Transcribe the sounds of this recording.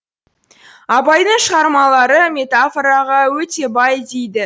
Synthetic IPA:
ɑpɑjd̪əɴʃəʁɑɾmɑlˠɑɾəmʲe̞t̪afoɾɑʁɑwɵt̪e̞bɑjd̪ejd̪ɪ

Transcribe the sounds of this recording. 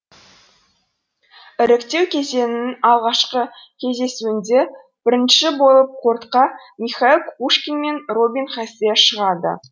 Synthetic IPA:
ɪɾɪkt̪e̞wkʲʰe̞ze̞nɪnɪnɑlˠʁɑʃqəkʲʰe̞zd̪e̞suɪnd̪e̞ | b̥ɪɾɪnʃɪbo̞lˠəp̚qʰoɾt̪qɑmiχailˠkʰuʃkʲinme̞nro̞bʲinχæseʃəʁɑd̪ə̰

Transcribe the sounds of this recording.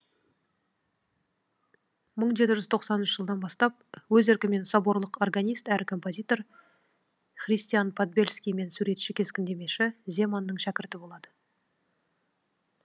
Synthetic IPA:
məɴʒe̞t̪ɪʒʏzt̪ʰo̞qsɑnənʃəʒəlˠd̪ɑnbɑst̪ɑp̚wɵzeɾkʲɪme̞nsɑbo̞ɾlˠəqo̞rɡanʲijst̪æɾʔɪkʰo̞mpo̞zʲijt̪o̞r | χrʲijst̪ijanpʰod̪̚bʲe̞lʲskʲijme̞nsuɾe̞t̪ʃɪkʲʰe̞skʲɪnd̪e̞me̞ʃɪze̞manːəɴʃækʲɪɾt̪ɪbo̞lˠɑd̪ə

